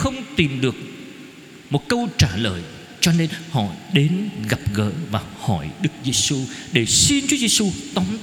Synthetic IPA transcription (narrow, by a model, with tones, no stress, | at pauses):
xə˧wŋ͡mt̪i˨˩mɗɨ˨˩ək̚ | mo˨˩t̚kə˧wt͡ɕaː˧˩ləː˨˩j | t͡ɕɔ˧ne˧nhɔ̰˧˨ɗe˨˦nɣa˨˩p̚ɣə̰ː˧˥vaː˨˩hɔ˧˩jɗɨ˦˥k̚ze˧su˧ɗe˧˩si˧nt͡ɕu˨˦ze˧su˧t̪ɔ˨˦ŋ͡m